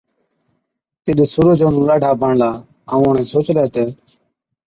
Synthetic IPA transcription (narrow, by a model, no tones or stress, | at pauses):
t̪ɪɗɪsʊɾʊd͡ʒoːnũːlaːɖʱaːbʱəɳlaː | əũoɳẽːsoːt͡ʃleːt̪eː